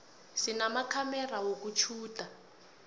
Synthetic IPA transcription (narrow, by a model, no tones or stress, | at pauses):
sinamakʰamɛrawokut͡ʃʰuːtʼa